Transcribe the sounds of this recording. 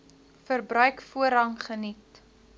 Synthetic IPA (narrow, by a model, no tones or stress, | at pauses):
fərbrœɥkfuəɾɐŋχənit